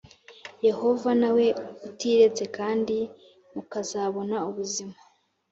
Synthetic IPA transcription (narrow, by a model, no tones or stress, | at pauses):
je̞ho̞vanawe̞utiɾe̞t͡se̞kaːndi | mukazaβo̞nauβuzima